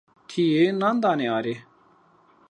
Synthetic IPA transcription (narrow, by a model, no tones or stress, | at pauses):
t̪ʰienãnd̪anɛːaɾe